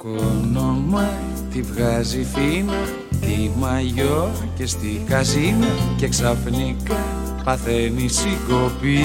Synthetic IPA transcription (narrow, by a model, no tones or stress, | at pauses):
konomɐ | t̪ivɣɐzifinɐ | t̪imɐʝo | ce̞st̪ikɐzinɐce̞ksɐfnikɐ | pɐθe̞nisiɡopi